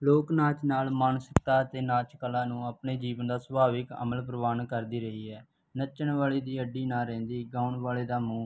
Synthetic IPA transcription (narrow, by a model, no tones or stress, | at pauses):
loːknaːt͡ʃnaːlmaːnsəkt̪aːət̪eːnaːt͡ʃkəlaːnũːəpneːd͡ʒiːʋənd̪aːsəbaːʋɪkə̰məlpɾəʋaːnkəɾd̪iːɾəɦiːɛː | nət͡ʃːənʋaːɭeːd̪iːəɖːiːnaːɾɛ̃ːnd̪iːɡaːʊɳʋaːleːd̪aːmũː